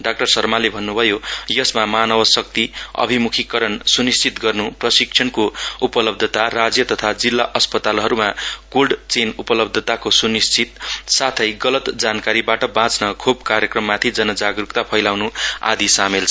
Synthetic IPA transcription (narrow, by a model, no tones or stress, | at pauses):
ɖak̚ʈʌrsʌrmalebʱʌnːubʱʌjojʌsmamanʌwʌsʌk̚t̪iʌ̰bʱimukʰikʌɾʌnsunist͡sit̪ɡʌrnuprʌsik̚t͡ʃʰʌnkoupʌlʌb̚d̪ʱʌt̪arad͡zjʌt̪ʌt̪ʰad͡zilːaʔʌspʌt̪alɦʌɾumakolɖt͡senupʌlʌb̚d̪ʱʌt̪akosunist͡sʰit̪sat̪ʰʌjɡʌlʌt̪d͡zankaɾibaʈʌbãt͡snʌkʰubkaɾjʌkrʌmːat̪ʰid͡zʌnʌd͡zaɡrukt̪apʰʌjlawnua̰d̪isamelt͡sʰʌ